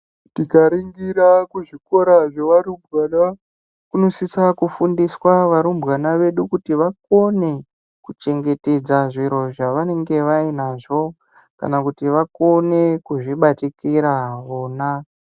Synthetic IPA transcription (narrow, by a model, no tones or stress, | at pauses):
tikaɾiŋɡiɾakuʐiko̞ɾaʐeʋaɾumbɣana | kuno̞sisakufundiswaʋaɾumbɣanaʋe̞ɗukutiʋak̚o̞ne̞ | kut͡ʃe̞ŋɡe̞te̞d͡zaʐiɾo̞ʐaʋane̞ŋɡe̞ʋainaʐo̞ | ka̰nakutiʋako̞ne̞kuʐiɓatikiɾaʋoːna